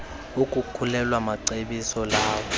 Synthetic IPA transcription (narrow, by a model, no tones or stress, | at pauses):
ukʼukʰulɛlwamaǀeɓisɔlaːwɔ